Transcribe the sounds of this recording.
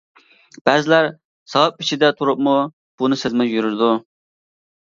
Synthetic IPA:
b̥ɛzɪlæɾ | sɑwɑp̚it͡ʃʰid̪ɛt̪ʰuɾup̚mu | b̥unɨsezmɛkjyɾyɾd̪u

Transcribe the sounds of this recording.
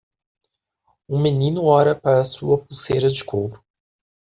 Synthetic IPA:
ũmenĩnʊɔɾɐpaɾɐsuɐpusejɾɐd͡ʒɪkʰowɾʊ̥

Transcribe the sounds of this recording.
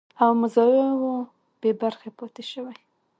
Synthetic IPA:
awmʊzɑjewo | b̥ebaɾxepɑt̪eʃəwaj

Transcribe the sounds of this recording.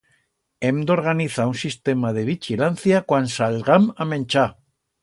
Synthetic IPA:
emd̪o̞ɾɣ̞aniθaunsist̪e̞maðeβ̞ixilanθjakwansalɣamamẽnt͡ʃa

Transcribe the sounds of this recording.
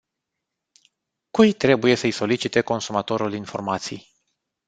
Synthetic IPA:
kujt̪ɾe̞buje̞səjso̞lit͡ʃit̪e̞ko̞nsumat̪o̞ɾulinfo̞̰rmat̪sḭj

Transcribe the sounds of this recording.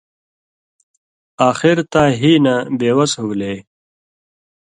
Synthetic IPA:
aːxiɾt̪aːɦiːnabeːwɐshuwle

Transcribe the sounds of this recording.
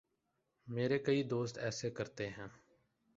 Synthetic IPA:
meːɾeːkəiːd̪oːst̪ɛːseːkəɾt̪eːɦɛ̃ː

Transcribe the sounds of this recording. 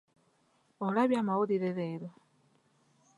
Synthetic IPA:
olaβjamawuɾiɾeɾeiɾo

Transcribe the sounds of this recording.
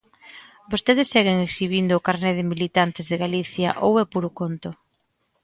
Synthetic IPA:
bost̪eðesːeɣ̞eŋeksiβ̞ind̪ʊːkaɾneðɪmilit̪ant̪ɪzðeɣaliθjaʔowepuɾokont̪ʊ

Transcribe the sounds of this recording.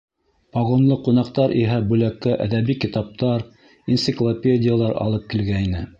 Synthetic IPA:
pɑʁonlˠɤqunɑqt̪ɑɾʔiɦæbʉlækːæʔæ̰ðæβikit̪ɑp̚t̪ɑɾ | int̪sɪklˠopʲedʲɪjalˠɑɾɑ̰lˠɤp̚kilɡæinɘ

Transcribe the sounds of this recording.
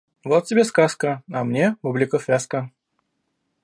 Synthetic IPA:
vot̪̚tʲɪbʲeskaskəɐmnʲepublʲɪkəfʲvʲaskə

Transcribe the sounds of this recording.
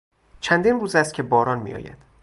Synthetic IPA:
t͡ʃʰænd̪iːnruːzæst̪̚cʰe̞bɒːɾɒːnmḭjɒ̰ːjæ̰d̪̥

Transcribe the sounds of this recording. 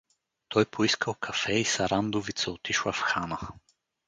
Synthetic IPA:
t̪ʰɔjpʰoiskəlˠkʰɐfɛisɐɾand̪ovit̪sɛot̪iʃlˠɐfxanə

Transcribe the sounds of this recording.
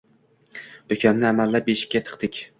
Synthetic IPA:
d̪̥okʲʰamnɪamalːap̚beʃɪ̥kʲːat̪ʰɨ̥qt̪ɪkʲ

